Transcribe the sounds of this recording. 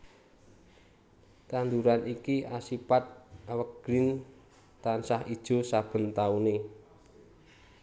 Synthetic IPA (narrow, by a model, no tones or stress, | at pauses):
t̪and̪uɾanikiasipat̪̚awəɡ̥ɾɪn | t̪ansahid̥ʒ̥o̤sab̥ə̤nt̪aune